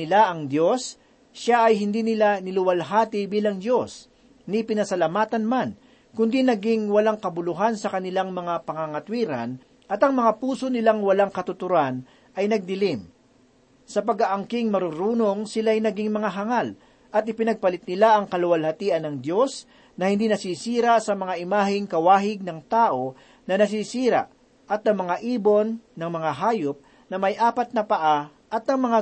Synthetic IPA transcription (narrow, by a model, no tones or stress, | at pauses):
ɪlaʔɐŋd̪jo̞s | ʃaʔɐjɦɪnd̪iːnɪlanɪlʊwɐlɦaːt̪ɪbiːlɐŋd̪jo̞s | nɪpɪnɐsɐlɐmaːt̪ɐnman | kʊnd̪inɐɡiŋwɐlaŋkɐbʊlʊɦansɐkɐnɪlaŋmɐŋapɐŋaŋɐt̪wiːɾɐ̰n | ʔɐt̪ɐŋmɐŋapuːso̞nɪlaŋwɐlaŋkɐt̪ʊt̪ʊɾan | ʔɐjnɐɡ̚d̪ɪlim | sɐpɐɡaʔɐŋkɪŋmɐɾʊɾuːnoŋsɪlajnɐɡiŋmɐŋaɦɐŋal | ʔɐt̪̚ɪpɪnɐɡ̚pɐlɪt̪̚nɪlaʔɐŋkɐlʊwɐlhɐt̪iːʔɐnɐŋd̪jo̞s | nɐhɪnd̪iːnɐsisiːɾasɐmɐŋaʔɪmaːhɪŋkɐwaːɦɪɡ̚nɐŋt̪aːʔo̞ | nɐnɐs̬isiːɾa̰ʔ | ʔɐt̪ɐŋmɐŋaʔiːbo̞nːɐŋmɐŋaɦaːjop̚ | nɐmɐjʔaːpɐt̪̚nɐpɐʔa | ʔɐt̪ɐŋmɐŋa